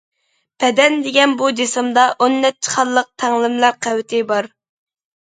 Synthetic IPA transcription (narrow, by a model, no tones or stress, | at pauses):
b̥ɛd̪ɛnd̪eɡʲɛnbud͡ʒesɨmd̪ɑʔonːɛt͡ʃʰːi̥χɑlˠːəq̚t̪ʰɛŋlˠɪmlæɾqʰæwɪt̪ʰɪbɑɾ